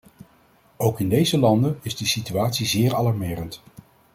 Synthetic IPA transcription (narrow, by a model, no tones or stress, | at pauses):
owkɪndejzəlɑndənɪzdəsityaːtsizɪːɹɑlɑɹmɪːrənt